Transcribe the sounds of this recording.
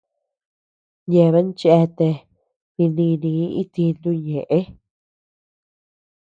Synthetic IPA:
ɲẽ˧˨˧βe˦nt͡ʃe˧t̪e˧ | nĩ˧nĩ˧nĩ˧˨˦i˦t̪i˧nd̪u˧ɲẽ˨ʔe˦

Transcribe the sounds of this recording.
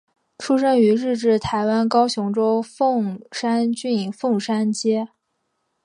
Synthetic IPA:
ʈ͡ʂʰu˥ʂə˥ny˧˥ɻɻ̩˥˧ʈ͡ʂɻ̩˥˩t̪ʰa˧˥ɪwa˥nkɑ˥ʊɕjʊ˧˥ŋʈ͡ʂo˥ʊfɤ˥˩ŋʂa˥nt͡ɕy˥˩fɤ˥˩ŋʂa˥nt͡ɕjɛ˥

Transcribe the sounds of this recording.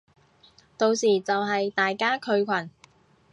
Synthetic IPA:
t̪o˨˧wsiː˨˩t͡sɐ˨wɦɐ˨jt̪aː˨jkaː˥kʰɵ˧ɥkʷʰɐ˨˩n

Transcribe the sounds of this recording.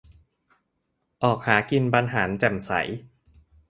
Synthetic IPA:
ʔɔː˨˩k̚haː˩˦ki˧npa˧nɦaː˩˦nt͡ɕɛ˨˩msa̰˩˦j

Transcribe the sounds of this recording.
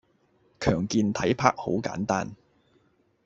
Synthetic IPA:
kʰœː˨˩ŋkiː˧nt̪ʰɐ˨˥jpʰaː˥k̚ho̰˨˥wka̰ː˨˥nt̪aː˥n

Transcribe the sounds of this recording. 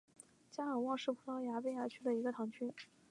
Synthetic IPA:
t͡ɕja˥ə˨˩wɑ˥˧ŋʂɻ̩˥˩pʰu˥t̪ɑ˥ʊja˧˥pe˥ɪja˧˥t͡ɕʰy˥d̪ə˨i˧˥ɡə˧t̪ʰɑ˧˥ŋt͡ɕʰy˥

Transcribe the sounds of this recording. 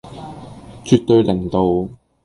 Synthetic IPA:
t͡ʃyː˨k̚t̪ɵ˧ɥlɪ˨˩ŋt̪o˨˧w

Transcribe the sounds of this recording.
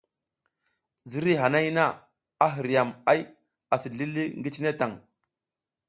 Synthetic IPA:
zi˦ɾi˦ɦa˨na˦jna˦ | a˦ɦi˨ɾja˨ma˦j | a˨si˨ɮi˦li˦ŋɡi˦t͡ʃi˦ne˦ta˨ŋ

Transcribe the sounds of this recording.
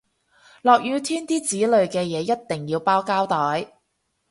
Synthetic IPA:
lɔː˨k̚jyː˨˧t̪ʰiː˥nt̪iː˥t͡siː˨˥lɵ˨˧ɥkɛː˧jɛː˨˧jɐ˥t̚t̪ɪ˨˩ŋjiː˧wpaː˥wkaː˥wt̪ɔː˨˥j

